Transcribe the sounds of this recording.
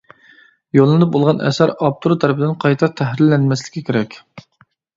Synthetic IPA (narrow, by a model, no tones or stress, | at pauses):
jolˠːɨnɨp̚bolˠʁɑnʔɛ̰sæɾɑp̚t̪ʰuɾt̪ʰɛɾpʰɪd̪ɪnqʰɑjt̪ʰɑt̪ʰæhɾɪlːɛnmɛslɪ̥kʲʰːikʲʰeɾɛkʲ